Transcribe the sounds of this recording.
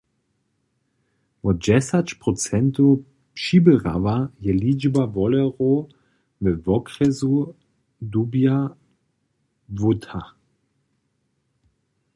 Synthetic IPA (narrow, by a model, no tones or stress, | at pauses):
vɔd͡ʒɛsat͡ʃpʁɔt͡sɛnt̪o | pʃibɛʁa̰vajɛlid͡ʒbavɔlɛʁo | vɛvɔkʁɛzu | d̪ubja | vut̪ʰa